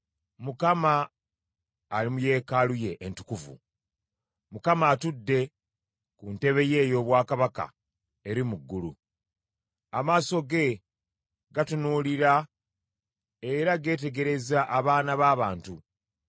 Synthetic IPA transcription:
mukama | limuje̞ːkaluje̞ʔːntu̥kuvṵ | mukamaːtudːe̞ | kunte̞βe̞je̞ːjo̞ːβwaːkaβaka̰ | e̞ɾimuɡːulṵ | amaːso̞ɡe̞ | ɡatunuːliɾa | eɾaɡe̞ːt̬e̞ɡe̞ɾe̞zaʔːβaːnaβaːβaːntu

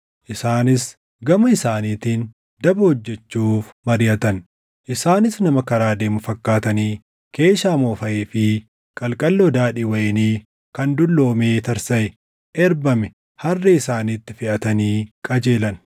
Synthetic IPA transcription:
ʔɪsaːnɪs | ɡɐmɐɪsaːniːt̪iːn | d̪ɐbʊhɔd͡ʒːɛt͡ʃːuːfmɐɾɪjɐt̪ɐn | ʔɪsaːnɪsnɐmɐkɐɾaːd̪eːmʊfɐkːaːt̪ɐniː | ke̞ːʃaːmo̞ːfɐʔeːfɪ | kʼɐlkʼɐlːod̪aːᶑiwɐjniː | kɐnd̪ʊlːo̞ːmeːt̪ɐɾsɐʔɛ | ʔɛɾbɐmɛ | hɐrːɛɪsaːniːt̪ːɪfɪʔɐt̪ɐniːkʼɐd͡ʒeːlɐn

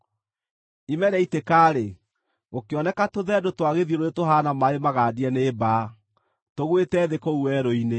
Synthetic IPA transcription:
imɛɾɛitekaːɾe | okeɔnɛkatoðɛdotwaɣeðieɾoetoɦanamaemaɣaːdiɛneːbaː | toɣwetɛːðekouwɛːɾoine

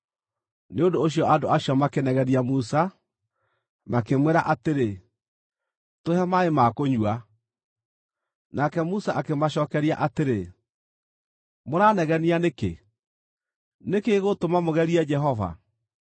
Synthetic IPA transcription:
neodoːɕ̬iɔʔadoaɕjɔmakenɛɣɛniamusa | makemwɛɾaʔateɾe | tohɛmaemakoɲua | nakɛmusaʔakemaɕɔːkɛɾia̰ʔateɾe | moɾanɛɣɛnianekḛ | nekeɣotomamoɣɛɾiɛd͡ʒɛɦɔva̰

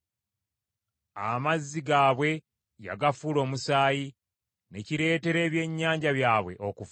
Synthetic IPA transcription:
amazːiɡaːβwe̞ | ja̰ɡafulo̞ːmusaːji | ne̞ciɾe̞ːte̞ɾe̞ːβje̞ɲːaːɲɟaβjaːβwe̞ʔokuf

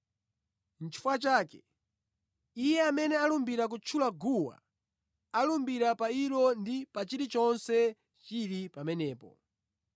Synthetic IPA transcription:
n̩t͡ʃʰi̥fuat͡ʃaːkɛ̥ | ijɛamɛnɛalumbiɾak̬ut͡ʃʰulaɡuwa̰ | alumbiɾapaiɾɔndipat͡ʃiɾit͡ʃɔnsɛ | t͡ʃiɾipamɛnɛːpɔ̰

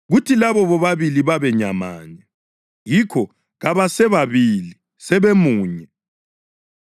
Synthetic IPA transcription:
ɣutʰilaβɔβɔβaβiliβaβɛɲama̰ːɲɛ | jikʰɔ | ɣaβasɛβaβili | sɛβemuːɲɛ

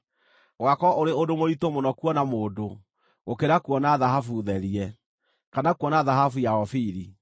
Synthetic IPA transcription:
ɣwakɔʔoɾeodomoitomonɔkwɔnamoːdo | okeɾakwɔnaðaɦafuðɛɾiɛ | kanakwɔnaðaɦafujaɔfiɾi

